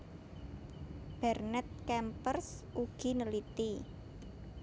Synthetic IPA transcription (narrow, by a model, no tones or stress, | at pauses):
b̥ɛrnɛt̪̚kɛmpərsuɡ̥i̤nəlit̪i